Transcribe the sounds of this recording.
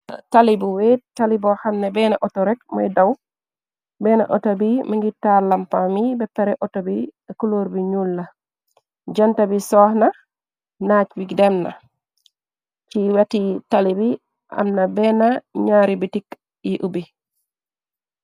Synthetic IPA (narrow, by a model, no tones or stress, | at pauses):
talibuwetːalibɔhamnɛbɛnaʔɔtɔɾɛkma̰jdaw | bɛna̰ʔɔ̰tabimaŋɡitːaɾlampamibɛpːɛɾɛʔɔtabikuloɾbiɲulːa | d͡ʒantabisɔhna | nat͡ʃbiɡdɛmna̰ | t͡ʃiwatitalibi | ʔa̰mnabɛnaɲaɾibitik | jiʔubi